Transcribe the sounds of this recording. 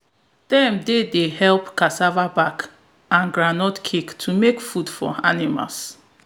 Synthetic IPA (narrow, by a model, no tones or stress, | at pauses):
d̥ɛ̃mdedeɦɛlpkasavabak | ãnɡɾanɔtkʰiktʰumekfudfɔ̰a̰nima̰ls